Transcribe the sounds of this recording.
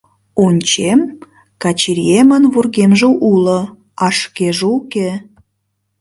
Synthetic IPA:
onʲt͡ɕem | kɑt͡ɕiɾiemənβurɣemʒeʔulə̆ | ɑʃkeʒeuke

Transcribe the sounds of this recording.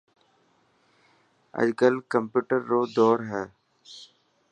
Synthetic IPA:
ə̰d͡ʒkəlkəmpjuːʈəɾːoːd̪ɔːɾɦɛː

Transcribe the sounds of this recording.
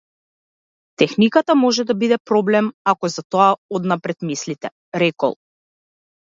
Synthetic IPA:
t̪ɛxnikat̪amɔʒɛd̪abid̪ɛpɾɔblɛmakɔɛzat̪ɔaɔd̪napɾɛt̪mislit̪ɛ | ɾɛkɔ̰lˠ

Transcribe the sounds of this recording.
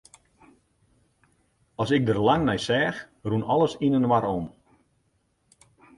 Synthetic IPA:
ɑsɪk̚dərlaŋnɛjsɛːx | runɔləsinənʋaɾɔm

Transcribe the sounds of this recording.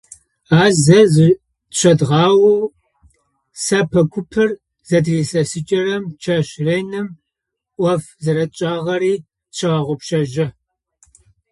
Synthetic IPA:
aːzɐzɨ | ɕʰɐdʁɑːwu | sɐpʰɐkʷʰʊpʰɨr | zɐdriːsɐsɨt͡ʃʼɐɾɐmt͡ʃʰɐɕrejnɨm | ʔʷɔf | zɐɾɐt͡ʃʼaːʁɐɾiː | ɕʰɐʁɐʁʷɔpʃɐʒɪ

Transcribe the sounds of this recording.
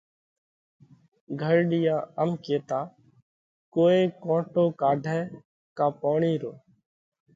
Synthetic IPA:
ɡʱəɾɖɪjãːəmkeːt̪aː | koːeːkõːʈoːkaːɖʱɛː | kaːpoːɳiːɾoː

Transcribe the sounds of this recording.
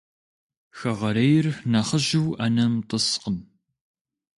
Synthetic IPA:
xɐʁɐɾɐjɪrnaχəʑɪwɐnɐmtʼəsqən

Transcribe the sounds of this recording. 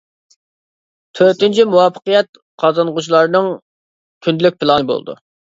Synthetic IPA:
t̪ʰøɾt̪ɪnt͡ʃʰimuwɑpʰːə̥qəjɛt̪̚ | qʰɑzɑnʁʊt͡ʃʰlˠɑɾnɨŋ | kʲʰynd̪lyk̚ʲpʰɪlˠɑnɨbo̰lˠd̪ṵ

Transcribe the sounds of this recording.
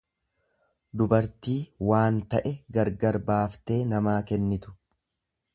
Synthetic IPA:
d̪ʊbɐɾt̪iːwaːnt̪ɐʔɛɡɐɾɡɐɾbaːft̪e̞ːnɐmaːkɛnːɪt̪ʊ̥

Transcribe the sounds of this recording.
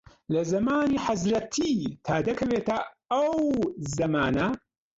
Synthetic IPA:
lɐzɐmaːniːħazɾɐt̪ʰit̪ʰaːd̪ɐkʰɐweːt̪ɐ | ɐwzɐmaːnɐ

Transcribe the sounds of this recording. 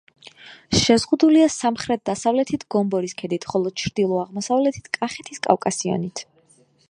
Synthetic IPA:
ʃɛzʁud̪uliasamχɾɛt̪̚d̪asavlɛt̪ʰit̪ʰɡ̥ɔmbɔɾiskʰɛd̪it̪ʰχɔlˠɔd̥̪̚t͡ʃʰɾd̪ilˠɔaʁmɔsavlɛt̪ʰi̥t̪ʰkʼaχɛt̪ʰiskʼa̰fkʼasiɔ̰nit̪ʰ

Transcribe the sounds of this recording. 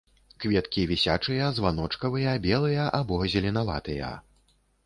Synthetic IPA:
kvʲɛt̪kʲivʲisʲat͡ʂɨjɐzvanɔt͡ʂkɐvɨjɐbʲɛlˠɨjɐʔabɔzʲɛlʲinava̰t̪ɨjɐ̰

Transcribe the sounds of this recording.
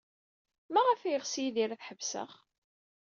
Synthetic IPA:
mæʁəfæjəʁsjiðiɾæθħəvsə̰χ

